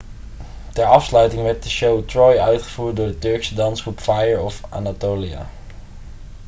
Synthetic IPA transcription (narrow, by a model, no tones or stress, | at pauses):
tɛɹɑfslœɥtɪŋʋɛɹt̚dəʃowtrɔjœɥtχəvuːɹt̚dʊːɹdətɵɹksədɑnsχrupfajəɹɔfʔa̰ːnatoːlia̰